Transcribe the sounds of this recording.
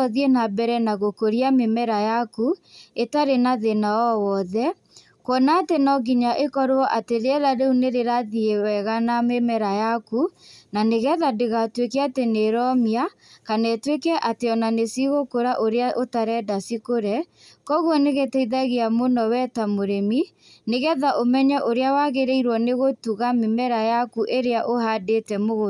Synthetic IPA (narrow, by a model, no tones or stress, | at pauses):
ɔðienabɛɾɛnaɣokoɾiamemɛɾajakuetaɾenaðenaɔwɔðɛ | kwɔnaːtenɔɣiɲaʔekɔɾwɔʔateɾeɛðaɾeuneɾeɾaðiewɛɣanamemɛɾajakunaneɣɛðadeɣatwekɛateneɾɔmia | kanɛtwekɛʔateɔnanesiɣokoɾaʔoɾeaʔotaɾɛdasikoɾɛ | kɔɣwɔneɣetɛiðaɣeamonɔwɛtamoɾemi | neɣɛðaʔomɛɲaʔoɾeawaɣeɾeiɾwɔneɣotuɣamemɛɾajakuʔeɾeaʔohadetɛmoɣo